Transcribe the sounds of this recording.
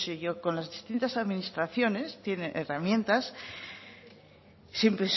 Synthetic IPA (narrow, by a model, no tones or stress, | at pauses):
siʝoko̞nlazðist̪int̪asaðminist̪ɾaθjo̞ne̞st̪je̞ne̞ʔeramjẽ̞nt̪as | empɾes